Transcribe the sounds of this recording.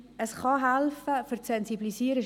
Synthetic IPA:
əsχɑɦælfəfʏɾsɛnsiblisiːɾə

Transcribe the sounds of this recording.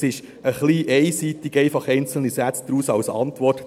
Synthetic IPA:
ɪʃ | əχliːʔɛɪsiːt̪ɪɡɛɪfɑχɛɪnt͡sl̩nisæt͡sd̥̪ɾuːsɑwsɑ̰ntʋɔt

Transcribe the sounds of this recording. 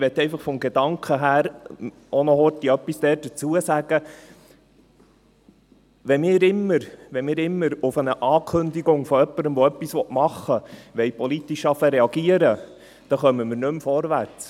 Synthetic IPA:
ʋɛt̪ːɛɪfɑχfɔmɡed̥̪ɑŋkχəɦæːɾ | ɔnɔɦɔɾtiœpːisd̪ɛːd̥ət͡suəsæɡ̥ə | ʋɛmɪːɾɪmːəɾʋɛnmɪːɾɪmːəɾʊfənəʔɑːkʰɵnd̪iɡʊŋfɔœpːəɾəmʋɔœpːisʋɔtmɑχːəʋɛɪpʰɔlit̪iʃɑfəɾeɑɡ̥iəɾə | d̥ɑχœmːəməɾnɵmfɔɾʋæɾt͡s

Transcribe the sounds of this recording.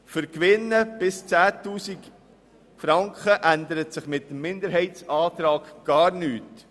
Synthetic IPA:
fʏɾkʋɪnːəb̥ɪst͡sæːtuːsik | fɾɑŋkχəʔænd̪əɾətsɪχmɪt̪ːəmmːɪndəɾɦɛɪt͡sɑːt̪ɾɑːɡ̥ɡ̥ɑːɾnyːt

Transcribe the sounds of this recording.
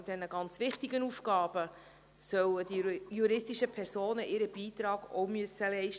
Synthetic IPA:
ud̥ɛnəɡɑnt͡sʋɪχtiɡənufɡɑːb̥ə | sœwəd̥ijuɾɪstiʃəpʰɛɾsoːnəʔɪɾəb̥iːt̪ɾɑːɡ̥o̰ʊmyəsəlɛɪʃ

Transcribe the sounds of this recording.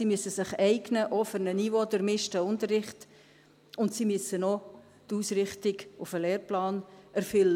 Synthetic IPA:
simyəsəsɪχɛɪɡnəʔɔfəɾnənivodəɾmɪʃtəʊntərɪχt | ʊntsimyəsənɔ | tuːsɾɪχtɪɡʊfəleːɾplɑːnæɾfʏlːə

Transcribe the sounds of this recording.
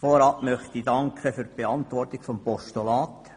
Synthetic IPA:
foɾɑʔmœχt̪idɑŋkχəfyɾtb̥eɑnt̪ʋɔrtɪɡ̥fɔmpɔʃtulɑːt̪

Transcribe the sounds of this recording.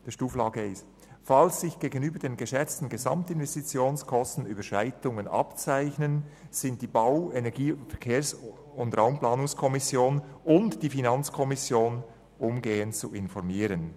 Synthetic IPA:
d̥iʃtuːflɑːɡəɪst | falsːɪçɡ̥eːɡənyːbədeːnɡəʃɛt͡stn̩ɡezɑ̰mtɪnvɛstit͡sjoːnskʰɔstn̩yːbəʃaɪtʊŋənʔɑ̰pt͡saɪçnən | z̥ɪnt̚d̥iːbaʊɛnɛʁɡiːfɛkʰeːs | ʊntʁaʊmplaːnʊŋskʰɔmɪsjoːnʊntd̥iːfinɑnt͡skʰɔmɪsjoːn | ʔʊmɡeːənt͡sṵʔɪnfɔɾmiːɾən

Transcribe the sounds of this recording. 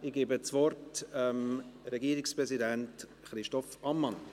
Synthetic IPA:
ɪɡ̥eːbət͡svɔrtɛmɾɛɡiəɾɪkspɾɛzidænt | χɾɪʃtɔfɑmːɑn

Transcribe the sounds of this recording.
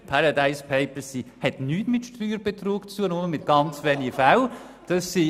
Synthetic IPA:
pʰaɾɑdaɪspʰeɪpəsihɛtnyːtmɪtʃtryːɾb̥et̪roːkt͡suənoməmɪt̚ɡ̥ɑnt͡sʋɛːniɡəfaw | d̥ɑsːi

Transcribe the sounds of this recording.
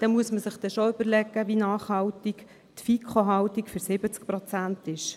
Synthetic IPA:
d̥ɛmuəsməsɪχd̥̪ɛʃoʏbəɾlɛɡəʋinɑːχhɑwtik | t̪fikʰχoɦɑwt̪ikfʏɾsɪbət͡sk̚pɾɔt͡sænt̪ɪʃ

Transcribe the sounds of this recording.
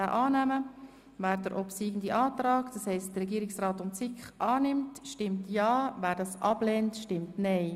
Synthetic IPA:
aːʔɑːnæmə | væːɾdəɾʔɔpsiːɡn̩diʔɑːtrɑːkd̥ɑshɛɪstd̥ərːɛɡiːɾɪksrɑːtʊmt͡sɪkχʔɑːnɪmtʃtɪmtjɑːvæːɾdɑsʔɑb̥lɛntʃtɪmtnɛɪ

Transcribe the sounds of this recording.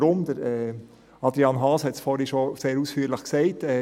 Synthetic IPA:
ɾʊmd̥̪əɾɛ | ɑd̪ɾiɑnɦɑːshɛtsfɔɾiʃoseːɾusfyːɾləχksɛɪtɛ

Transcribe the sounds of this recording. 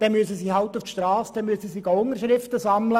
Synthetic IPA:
d̥ɛnmyəsəsiːhɑlt̪uftʃtɾɑːsd̥̪ɛmyəsəsiɡɑʊnəɾʃɾɪft̪əsɑmlə

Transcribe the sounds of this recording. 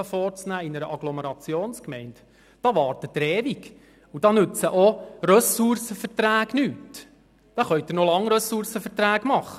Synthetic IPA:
əfɔːɾt͡snæːɪnəɾəʔɑɡlɔməɾɑt͡sjoːnskmɛɪnt | d̥ɑʋɑːɾtədəɾeːʋik | ud̥ɑnʉt͡səʔoɾœsursəfəɾtɾæːɡ̥nyːt | d̪̥ɑːχœʏt̪̚ːəɾnolɑŋɾœsʊɾsəfətræːɡmɑχə

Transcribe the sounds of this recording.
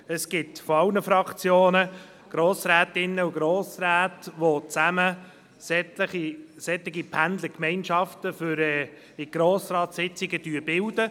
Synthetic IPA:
əsɡ̥ɪtfɔɑwnəfɾɑkt͡sjoːnə | ɡ̥ɾoːsɾæːtɪnːəuɡɾoːsɾæːtʋot͡sæmə | sɛtəisɛt̪lɪɡipʰænd̪ləkmɛɪnʃɑftəfʏɾɛː | ɪɡ̥ɾoːsɾɑːtsɪt͡sɪɡəd̥yːəbɪld̥ə

